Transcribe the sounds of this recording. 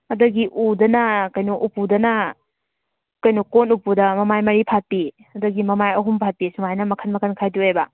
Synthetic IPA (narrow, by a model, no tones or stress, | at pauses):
ɐdɐɡiʔudɐnɐkɐjnuʔupudɐnɐ | kɐjnukonupudɐmɐmajmɐɾipʰat̚pi | ɐdɐɡimɐmajɐɦumpʰat̚pisumajnɐmɐkʰɐnmɐkʰɐnkʰajdiejbɐ